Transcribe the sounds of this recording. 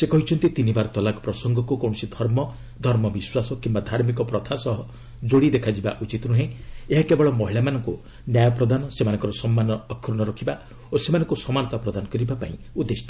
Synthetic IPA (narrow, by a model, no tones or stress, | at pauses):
sekɔɦit͡ʃʰɔnt̪it̪inibaɾɔt̪ɔlakɔpɾɔsɔŋɡɔkukõɔsid̪ʱɔɾmɔ | d̪ʱɔɾmɔbiswasɔkimbad̪ʱaɾmikɔpɾɔt̪ʰasɔɦɔ | d͡ʒoɽid̪ekʰad͡ʒiba̰ʔut͡ʃit̪ɾuɦẽeɦakebɔɭɔmɔɦiɭamanɔŋku | njajɔpɾɔd̪anɔsemanɔŋkɔɾɔsɔmːanɔːkʰɾuɽ̃ɔɾɔkʰiba | osemanɔŋkusɔmanɔt̪apɾɔd̪anɔkɔɾibapa̰ḭ̃ | ud̪ːesʈɔ̥